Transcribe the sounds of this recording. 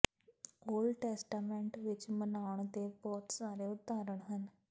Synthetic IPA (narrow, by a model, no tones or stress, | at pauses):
oːlɖʈɛːsʈaːmɛ̃ːɳʈʋɪt͡ʃmənaːʊəɳ̃d̪eːbɔːt̪saːɾeːʊt̪ːaːɾəɳ̃ɦən